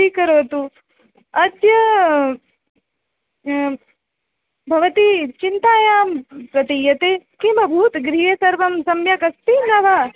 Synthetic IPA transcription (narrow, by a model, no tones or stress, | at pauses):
ikɐɾoːt̪u | ɐt̪jɐ | bʱɐʋɐt̪it͡ʃint̪aːjaːmpɾɐt̪ijɐt̪eːkimbɐbʱuːt̪ɡɾiɦɐsɐɾʋɐmsɐmjɐkɐst̪inɐʋa